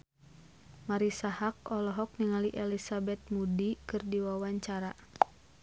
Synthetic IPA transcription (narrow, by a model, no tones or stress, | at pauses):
maɾisahak̚ɔlɔɦɔk̚niŋaliʔɛlisabɛt̪̚mudikɨrdiwawaɲt͡ʃaɾa